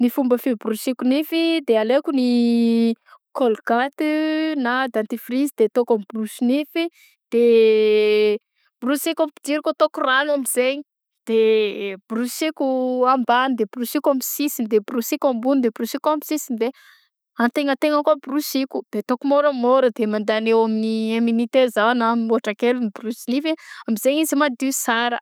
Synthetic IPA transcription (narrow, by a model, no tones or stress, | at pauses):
nifumbəfibrusikunifid̪ealekuni | kolkat̪nad̪ant̪ifrizid̪et̪okambrusinifi | d̪̥e | b̥rusikapi̥d̪iɾikot̪okuranamizeɲi | d̪̥eb̥rusikʲuambanid̪ebrusikamisisid̪ebrusikʲambunid̪ebrusikamisisind̪e | ant̪eŋət̪eŋakoabrusikʲud̪̥et̪okumoɾəmoɾəd̪emand̪anewaminieminit̪ezawanammoaʈ͡ʂakelunibrusinifiamizeɲizimad̪isaɾə